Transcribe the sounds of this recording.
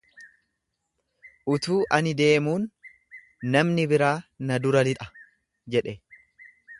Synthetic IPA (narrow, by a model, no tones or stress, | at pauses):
ʔʊt̪uːʔɐnɪd̪e̞ːmuːnː | ɐmnɪbɪɾaːnɐd̪ʊɾɐlɪt̪ʼɐ̥ | d͡ʒɛᶑɛ